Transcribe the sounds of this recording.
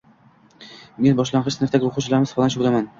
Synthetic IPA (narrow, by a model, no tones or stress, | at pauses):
me̞nbɒʃlanʁɨʃsɪnɪɾt̪aɡʲɪoqʰʊwt͡ʃʰalaɾmɪsfalanʃolaman